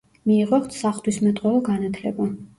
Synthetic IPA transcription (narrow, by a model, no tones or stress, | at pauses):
miːʁɔχt̪ʰsaχlt̪ʰwismɛt̪ʼqʼwɔvˠɔɡanat̪ʰlɛ̰ba